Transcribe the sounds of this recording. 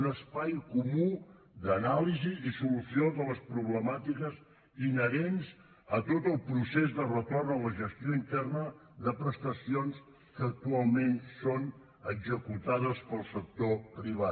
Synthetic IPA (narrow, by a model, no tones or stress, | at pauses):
nəspajkumu | d̪ənalizizisulusioðələspɾuβləmat̪ikəz | inəɾenz | ət̪ot̪əlˠpɾusezðərət̪ornələʒəst̪joint̪ɛrnə | ðəpɾəst̪əsions | kəːk̚t̪ualˠmenson | əɡzəkut̪aðəspəlˠsək̚t̪opɾiβ̞at̪